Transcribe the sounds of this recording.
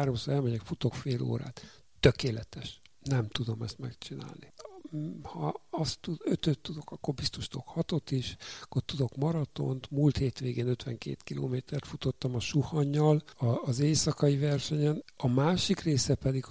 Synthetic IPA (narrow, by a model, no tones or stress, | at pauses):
ɾo̞msoːɾɛlmɛɟɛkfut̪o̞kfeːlo̰ːɾa̰ːt̪ | t̪ːøkeːlɛt̪ɛʃ | nɛmt̪ud̪o̞mɛst̪mɛkt͡ʃina̰ːlni | hɒɒst̪ːuøt̪øt̪ːud̪o̞kɒkːo̞rbist̪o̞ʃt̪uokhɒt̪o̞t̪iʃɒkːort̪ud̪o̞kmɒɾɒt̪o̞̰nt̪mult̪heːt̪ʋeːɡeːnøt̪ʋɛŋkḛːt̪kilo̰ːmeːt̪ɛrt̪fut̪o̞t̪ːɒmɒʃuhɒɲːɒlɒːzeːsɒkɒjivɛrʃɛɲɛnɒmaːʃikreːsɛpɛd̪iɡ